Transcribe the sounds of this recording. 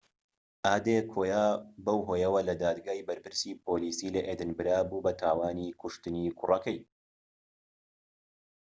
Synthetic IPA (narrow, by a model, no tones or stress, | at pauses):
ʔaːd̪ekʰoːjaːbɐwɦoːjɐwɐlɐd̪aːd̪ɡaːibɐɾpɨɾsiːpʰoːliːsiːlɐʔeːd̪ɨnbɨɾaːbubɐt̪ʰaːwaːniːkʰʊʃt̪ɨniːkʰʊrɐkɐj